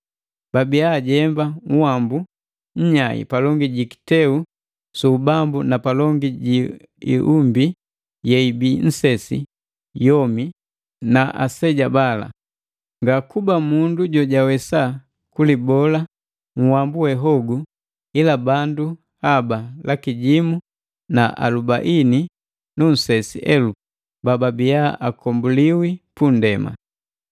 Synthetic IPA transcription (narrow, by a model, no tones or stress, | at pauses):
b̥abiaɟɛmbaŋuwambu | ɲ̩ɲaḭpalɔŋɡiɟiki̥tɛu | subambunapalɔŋɡiɟi | ḭʔumbi | jɛibin̩sɛsḭ | jɔmi | naʔa̰sɛɟabala̰ | ŋɡakubamunduɟɔɟawɛsa | kulibɔla | ŋ̩wambuwɛɦɔɡu | ilabandu | habalakiɟimu | naʔa̰lubaʔini | nun̩sɛsḭʔɛlu | bababijaakɔmbuliwipundɛma̰